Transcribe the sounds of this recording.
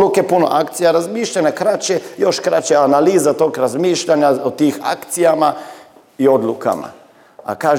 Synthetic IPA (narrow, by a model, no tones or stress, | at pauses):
lukepuno̰ʔakt̪sijaɾazmiːʃʎanekɾat͡ʃejoʃkɾat͡ʃeanaliːzat̪oːkɾazmiːʃʎaɲaot̪iːxa̰kt̪sijama | io̞d̪luka̰ma̰ | a̰kaːʒ